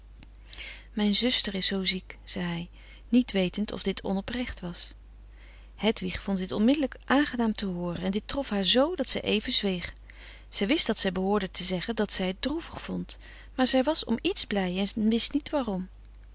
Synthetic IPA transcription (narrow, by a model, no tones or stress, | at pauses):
mɛjnzɵstəɹɪsːowzikz̥ɛjɦɛj | nitʋejtəntʰɔ̰vdɪtʰɔ̰nɔprɛχtʋɑs | hɛtʋiχfɔntdɪtɔnmɪdələkʔaːnχənaːmtəɦʊːrənɛndɪtrɔfɦaːɹzowdɑtsɛjʔejvənzʋejχ | z̥ɛjʋɪstd̥ɑtsɛjbəɦʊːɹdətʰəzɛχəndɑtsɛjət̚druvəχfɔnt | maːɹzɛjʋɑsɔ̰mitzblɛjɛnʋɪstnitʋaːrɔm